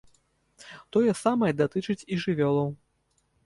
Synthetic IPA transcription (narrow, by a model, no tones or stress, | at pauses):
t̪ɔjɛsamɐjɛd̪at̪ɨt͡ʂɨt͡sʲiʐɨvʲɔlˠɐw